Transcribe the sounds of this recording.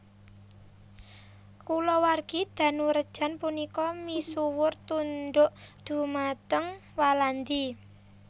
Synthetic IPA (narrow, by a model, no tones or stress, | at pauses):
kulɔwarɡ̥id̪̥ä̤nuɾəd̥ʒ̥a̤npunikɔmisuwʊrt̪unɖ̪ʊʔd̪̥ṳmat̪əŋwaland̪i